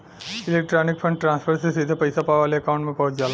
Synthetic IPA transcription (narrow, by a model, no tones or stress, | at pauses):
ilek̚ʈɾaːnikpʰɐɳɖ̚ʈɾaːnspʰɐɾsesid̪ʱɐpɐjsapaːʋaːleɐkɐʋɳʈmẽpɐɦud͡ʒjaːlɐ